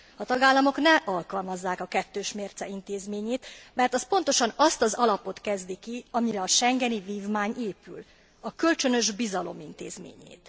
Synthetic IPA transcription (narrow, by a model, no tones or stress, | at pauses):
ɒt̪ɒɡaːlːɒmo̞knɛʔɒlkɒlmɒzːaːkɒkɛt̪ːøːʃmeːrt̪sɛint̪eːzmeːɲeːt̪mɛrt̪ɒspo̞nt̪o̞ʃɒnɒst̪ɒzɒlɒpo̞t̪kɛzd̪ikiɒmiɾɛɒʃɛŋɡɛniviːvmaːɲʔeːpy̰l | ɒkø̞lt͡ʃønø̞ʒbizɒlo̞̰mint̪eːzmḛːɲḛːt̪